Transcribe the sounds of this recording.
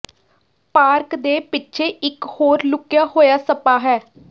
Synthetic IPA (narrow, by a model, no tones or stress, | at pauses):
paːɾkd̪eːpɪtːʃʰeːʔɪkhoːɾlʊkjaːɦoːjaːsəpaːɦɛː